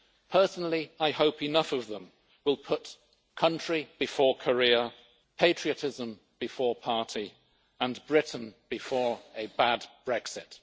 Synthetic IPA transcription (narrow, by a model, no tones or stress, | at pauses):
pʰɜ˞snl̩ˠiaɪhoʊpɨnʌfʌvðə̃m | wɪlˠpʰʊt | kʰʌ̃nt͡ʃɹ̥ib̥ɨfɔɹkʰə˞ɪə | pʰeɪt͡ʃɹ̥iɨtʰɪzə̃m | b̥ɨfɔɹpʰɑɹɾʰi | ə̃nbɹɪʔn̩b̥ɨfɔɹɨbædb̥ɹɛksɪt